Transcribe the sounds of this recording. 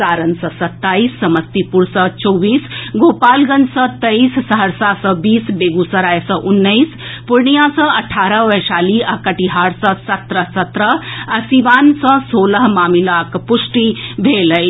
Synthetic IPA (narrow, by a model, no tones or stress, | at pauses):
saːɾənsəsɐt̪ːaisːɐməst̪ipuɾsət͡ʃɔwʋiːsɡopaːlɡənsət̪əissəɦəɾsasəbiːsbeɡusəɾajsəʔunːəispuɾɳijãsə̃ɐʈʰaːɾəʋəjʃaːliakəʈiɦaɾsəsɐt̪ɾəsɐt̪ɾəasiʋaːnsə̃soːləɦmaːmilakpuʂʈibʱeləj